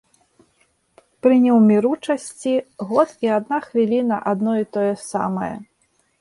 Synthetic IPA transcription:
pɾɨnʲɛwmʲiɾut͡ʂɐsʲt͡sʲiɣɔt̪iad̪̚naxvʲilʲinɐʔad̪nɔit̪ɔjɛsa̰mɐjɐ̰

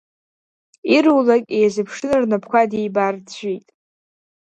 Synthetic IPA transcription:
iɾuwlakʲʼejzɨpʰʂɨnɨrnapʰkʷʰadijbart͡ɕʷᶣijtʼ

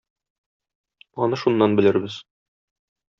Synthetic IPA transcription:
ɒnɤʃunːɑnbɘ̆lɘɾbɘz̥

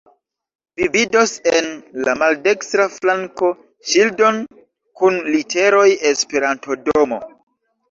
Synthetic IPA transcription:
vivido̞senlamalde̞kstɾaflaŋko̞ | ʃildo̞n | kunlitʰe̞ɾo̞je̞spe̞ɾanto̞do̞mo̞̰

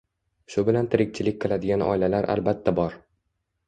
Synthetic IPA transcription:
ʃʊbɪlant̪ʰɪɾɪk̚ʲt͡ʃʰɪlɪk̚ʲqʰɨlˠad̪ɪɡʲanɒ̰ɪlalaɾʔa̰lbat̪ʰːabɒɾ

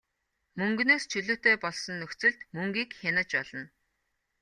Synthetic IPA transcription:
mɵŋɡnoːst͡ɕʰɵɮɵ̆ːt̪eːpɔɮsɞ̆nːɵxt͡sɘ̆ɮt̪mɵŋɡiːkxʲanə̆t͡ɕpɔɮ̥ɞ̆n

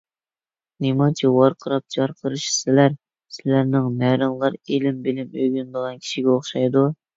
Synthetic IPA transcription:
nemɑt͡ʃʰiwɑɾqʰəɾɑp̚d͡ʒɑɾqʰəɾɨʃsɪlæɾ | sɪlæɾnɪŋmæɾɨmlˠɑɾelɪmbɪlɪmøɡʲynd̪əʁɑnkʲʰi̥ʃiɡʲɛoχʃɑjd̪u

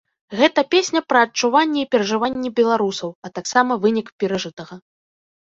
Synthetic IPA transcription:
ɣɛt̪ɐpʲesʲnʲɐpɾɐːt͡ʂːuvanʲːɛipʲɛɾɐʐɨvanʲːɛbʲɛlˠaɾusɐwɐt̪aksamɐvɨnʲikpʲɛɾaʐɨt̪ɐɣɐ

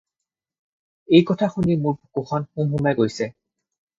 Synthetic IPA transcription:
ejkɔtʰaxunimuɹkoxʰɔnxumɦumɛɡojsɛ

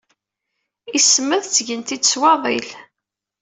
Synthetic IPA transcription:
isməðt͡sːʝənt̪id̪swɑðˤḭl

